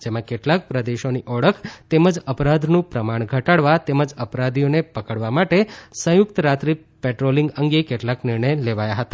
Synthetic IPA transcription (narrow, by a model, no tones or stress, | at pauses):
d͡ʒemãkeʈlak̚pɾəd̪eʃoniʔɔɽəkʰt̪eməd͡ʒəpɾad̪ʱnũpɾəmaɳ̃ɡʱəʈaɽʋat̪eməd͡ʒəpɾad̪ʱionepəkəɽʋamaʈesə̃jʊk̚t̪əɾat̪ɾi | peʈɾoliŋɡəŋɡekeʈlaknɪɾɳəjleʋajaɦət̪ḁ